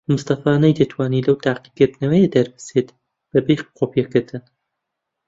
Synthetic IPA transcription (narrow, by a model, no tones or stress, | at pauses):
mɨst̪ɐfaːnɐjd̪ɐt̪ʰwaːnilɐwt̪aːqiɡɨɾd̪ɨnɐwɛjed̪ɐɾbɨ̥set̪ | b̥ɐbejχqʰopiɛkɨɾt̪ʰɨn